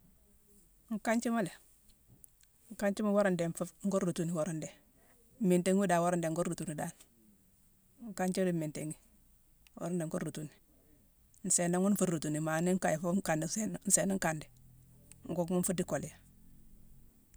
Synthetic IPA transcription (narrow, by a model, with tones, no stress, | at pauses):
ŋ˨ka˦ɲt͡ʃi˦ma˦le˨ | ŋ̩˨ka˦ɲt͡ʃi˦ma˦wo˦ɾa˦˨nde˨ɱfu˦ŋ˦ɡo˦ɾɾu˨tu˦ni˨wo˦ɾa˦nde˨ | mi˨nte˦ŋ˦u˦da˨wo˦ɾnde˨ŋɡo˦ɾɾu˨tu˨ni˨da˦˨n | ŋ̩˨ka˦ɲt͡ʃi˦li˦mi˨nte˨ŋi˦ | wo̰˦ɾa˦nde˨ŋɡo˦ɾɾu˨tu˨ni˨ | n̩˨se˨na˦ŋu˦n˦fu˦ɾɾu˨tu˨ni˨ma˨ni˦ŋ˦ka˨ji˨fu˦ŋ˦ka˨ndsn˨n̩˨se˨ni˦ŋ˦ka˨ndi˨ | ŋ̩˨ɡo˦ɡmu˦ɱ̩fu˦di˦ko˨li˨ja˨